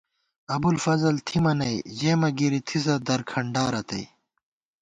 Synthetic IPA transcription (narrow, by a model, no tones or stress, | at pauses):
ɐbulfɐzɐlt̪ʰimɐnɐjd͡ʑeːmɐɡiɾit̪ʰis̬ɐd̪ɐɾkʰɐɳɖaːɾɐt̪ɐ̰j